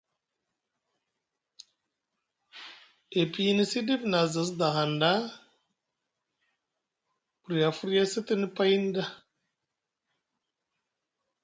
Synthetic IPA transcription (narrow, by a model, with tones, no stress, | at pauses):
e˨pi˦i˦ni˦si˦di˦bna˨za˨s̬da˨ɦa˨nda˦ | pu˨ɾi˨ja˨fu˦ɾja˦si˦ti˦ni˦pa˦i˦n˦da˦